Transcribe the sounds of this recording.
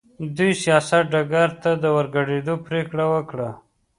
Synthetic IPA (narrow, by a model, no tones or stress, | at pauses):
d̪ujsijɑsat̪̚ɖaɡaɾt̪ad̪əwəɾɡaɽed̪opɾekɽawəkɽa